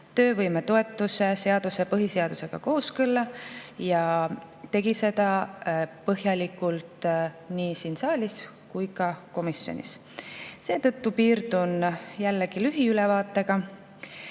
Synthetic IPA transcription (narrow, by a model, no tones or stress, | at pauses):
t̪ø̞ːvɤjme̞t̪o̞e̞t̪ˑːuse̞se̞ɑd̪̥use̞pɤɦise̞ɑd̪̥use̞ɡ̥ɑko̞ːskɤlːɑjɑ | t̪e̞ɡ̥ise̞d̪ɑ | pɤɦjɑlʲikˑult̪ˑ | niːsinsɑːlʲis | kujkɑko̞misjo̰nḭs | se̞ːt̪ɤ̞t̪ːupiːɾd̪unjælːeɡ̥ilyɦiylɛvɑːt̪ːˑe̞ɡ̥ɑ